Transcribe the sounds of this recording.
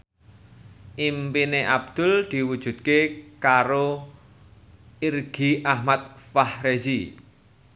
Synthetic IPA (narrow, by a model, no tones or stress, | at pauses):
ʔimpineʔab̥̚d̪̥ʊ̤ld̪̥i̤wud̥ʒ̥ṳt̪̚kekaɾo | irɡ̥iʔahmat̪̚fahɾezi